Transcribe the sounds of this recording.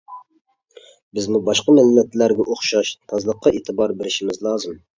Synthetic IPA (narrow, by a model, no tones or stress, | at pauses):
bɪzmubɑʃqɑmɛlmɛt̪læɾɡʲɛʔoχʃɑʃt̪ʰɑzlˠəqːɑʔet̪ʰɨbɑɾbeɾɪʃimɪzlˠɑːzɨm